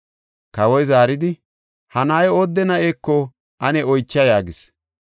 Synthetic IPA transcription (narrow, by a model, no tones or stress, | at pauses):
kɐwɔjzaːɾɪd̪ɪ | hɐnaːjoːd̪ːɛnɐʔeːkːɔ | ʔɐnɛɔjt͡ʃːɐjaːɡɪs